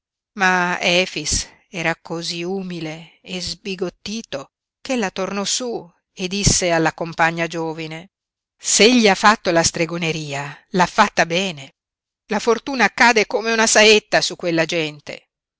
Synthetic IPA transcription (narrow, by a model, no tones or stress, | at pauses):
maɛːfis | ɛːɾakoziuːmileː | zbiɡot̪ːiːt̪o | kelːat̪ornɔsu | ed̪ːisːealːakompaɲːad͡ʒoːvine | seeʎːiafːat̪ːolast̪ɾeɡoneɾiːalafːat̪ːabɛːne | lafort̪uːnaːkːaːd̪ekomeunasaet̪ːasukːwelːad͡ʒɛnt̪ḛ